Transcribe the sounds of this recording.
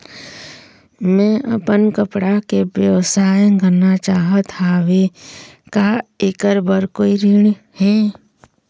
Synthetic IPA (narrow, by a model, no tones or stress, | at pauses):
mɛ̃ʔə̰pənkəpɽakebjəʋsaːjɡənat͡ʃaːɦət̪ʰaːʋekaekəɾbəɾkoːiɾiɳ̃ | hɛː